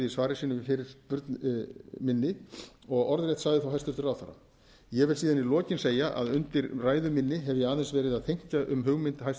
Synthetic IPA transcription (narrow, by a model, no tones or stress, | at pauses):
isvaːɾɪsiːnʏmfɪɾɪɾ̥pʏɾt̪nmɪnːɪɔɣɔɾðɾɛjht̪saɣðɪθawɦajst̪ʏɾt̪ʏɾawθa̰ɾa̰ | jɛvɪlsiːðanilɔːcɪnseːjaʔa̰ðʏnt̪ɪɾraːjðʏmɪnːɪɦɛvjɛaːðɛnsvɛːɾɪðaðt̪ʰejɲ̥caʔʏmɦʏɣmɪnt̪ɦajs